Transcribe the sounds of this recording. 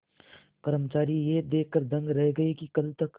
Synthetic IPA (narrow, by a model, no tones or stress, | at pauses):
pɐɾmət͡ʃaːɾijed̪eːkʰːəɾd̪ɐ̃ŋɡɾɛɦɡɐekikɐlt̪ɐk